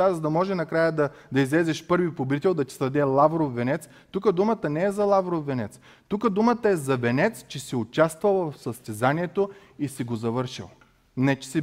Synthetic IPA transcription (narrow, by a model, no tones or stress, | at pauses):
azɐd̪ɐmɔʒɛnɐkɾajəd̪ɐd̪ɐizlɛzɛʃpɤɾvipob̪it̪ɛlˠd̪ɐt̪ʲi̥sd̪ɐd̪ɛlˠavɾofːɛnɛt̪s | t̪ukəd̪umət̪ənɛːzɐlˠavɾofːɛnɛt̪s | t̪ukəd̪umət̪əɛzɐvɛnɛt̪st͡ʃɛsiʊt͡ʃast̪vɐlˠvɐfsɐst̪ɛzaniɛt̪o | isiɡozɐvɤɾʃḭlˠ | nɛt͡ʃɛ̥sɛ